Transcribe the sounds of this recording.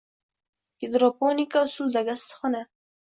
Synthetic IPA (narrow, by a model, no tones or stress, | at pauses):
kɪd̪ɾɑponikawsuld̪aɡassə̥xəna